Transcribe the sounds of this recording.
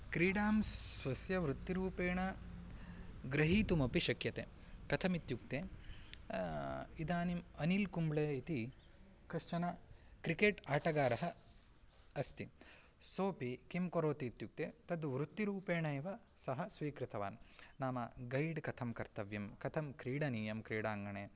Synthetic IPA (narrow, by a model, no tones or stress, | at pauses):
kɾiːɽaːmsʋɐsjɐʋɾut̪ːiɾuːpeːɳɐ | ɡɾɐɦiːt̪umɐpiʃɐkjɐt̪ḛːkɐt̪ʰɐmit̪juk̚t̪eː | id̪aːnimɐnilkumbɭeːit̪i | kɾiʂt͡ʃɐnɐkɾikeːʈaːʈɐɡaːɾɐɦɐ̆ | ɐst̪ʰi | soːpikimkoɾoːt̪iːt̪juk̚t̪et̪ɐd̪ʋɾut̪ːiɾuːpeːɳɐeʋɐsɐɦɐsʋiːkɾɪt̪ʰɐʋaːnnaːmɐɡɐjɖkɐt̪ʰɐmkɐɾt̪ɐʋjɐmkɐt̪ʰɐmkɾiːɽɐniːjɐmkɾiːɽaːŋɡɐɳeː